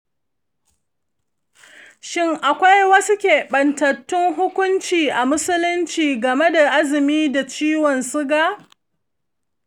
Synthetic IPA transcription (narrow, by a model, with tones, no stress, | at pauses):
ʃɪ˦ŋʔa˨kʷa˦jwɐ˦sʊ˦kʲeː˨ɓɐ˨ntɐ˨tːʊ˦ŋɦʊ˦kʷʊ˦nt͡ʃiː˨ʔa˨mʊ˦sʊ˦lʊ˦nt͡ʃiː˨ɡɐ˨me˦da˨ʔa˦zɪ˨miː˦da˨t͡ʃiː˦wɔ˨nsʊ˦ɡa˦